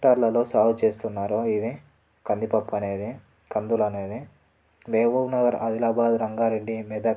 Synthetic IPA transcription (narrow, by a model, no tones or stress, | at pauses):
ʈaːɾlɐlo̞ːsaːwt͡ʃe̞ːst̪unːaːɾoid̪i | kɐnd̪ipɐpːɐne̞ːd̪i | kɐnd̪ulɐne̞ːd̪i | ʋeːʋuɡnɐɡɐɾɐ̰d̪ilaːbaːd̪ɾɐŋɡaːɾeɖːimid̪ɐ